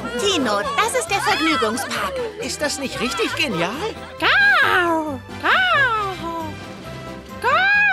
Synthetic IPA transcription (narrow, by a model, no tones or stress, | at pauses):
jiːnod̥asɪst̚d̥eːɐfɛɐɡnyːɡʊŋspʰaːkʔɪstd̥asnɪçtʁɪçtɪçɡ̥enjaːl | ɡ̥a | ɡ̥a | ɡ̥a